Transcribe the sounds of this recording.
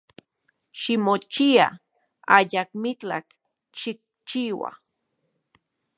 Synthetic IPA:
ʃimot͡ʃia̰ | ajak̚mit͡ɬa̰k | ʃik̚t͡ʃiwa̰

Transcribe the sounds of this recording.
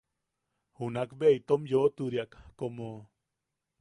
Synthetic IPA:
hunakbeit̪omjot̪uɾjakːomo

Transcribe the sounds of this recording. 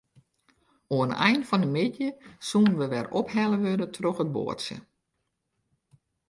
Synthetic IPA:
oənɛ̰jnfɔnəmɪdjəsuːnʋəʋɛrophɛləʋødətʰroxət̚bo̰ətsjə̰

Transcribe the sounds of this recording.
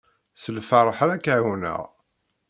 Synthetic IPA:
səlfərˤħɾækːaʕunə̰ʁ

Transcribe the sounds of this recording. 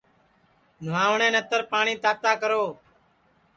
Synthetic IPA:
nʊʋaːʋɳẽːnət̪əɾpaːɳiːt̪aːt̪aːkəɾoː

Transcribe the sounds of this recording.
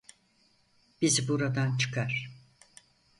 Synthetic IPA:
b̥izbuɾad̪ant͡ʃʰɯ̥kʰaɾ̥

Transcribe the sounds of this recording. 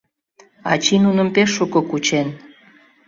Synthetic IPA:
ɑ̰t͡ɕinunəmpeʃːukokut͡ɕen

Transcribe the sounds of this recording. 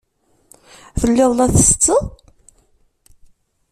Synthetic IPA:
θəlːɪðˤlæθəst͡sːə

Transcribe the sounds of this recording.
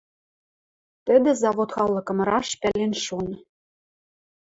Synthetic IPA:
t̪ɘ̆d̪ɘ̆zɑβot̪xɑlːɤ̆kɤ̆mrɑʃpælenʃon

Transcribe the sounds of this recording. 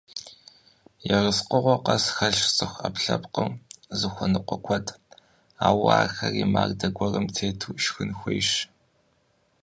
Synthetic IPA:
jɛrɨsqʊʁʷɔqɐsxɐɮt͡sʼɨxʷɐpɬɐpqəwzɨxʷɔnɨqʷɔkʷʰɔtʰʼ | aːwaːxɐriːma̰ːrdɐɡʷɔrɐmtʰeːtʰuːʃxɨnxʷejʃ

